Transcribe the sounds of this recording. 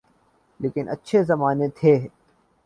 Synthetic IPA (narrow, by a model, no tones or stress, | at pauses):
leːkɪnʔə̰tːʃʰeːzɐmaːnet̪ʰeː